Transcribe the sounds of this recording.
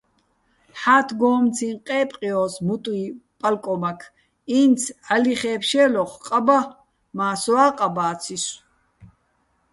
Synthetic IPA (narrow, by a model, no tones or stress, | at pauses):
ħaːt̪ʰɡɔːmt͡sʰinqʼɛːpʼqʼiɔːsmut̪ʼwipʼalkʼɔmakʰ | iːnt͡sʰaliχɛːpʰʃɛːlɔχqʼaba | maːsɔaːqʼabaːt͡sʰis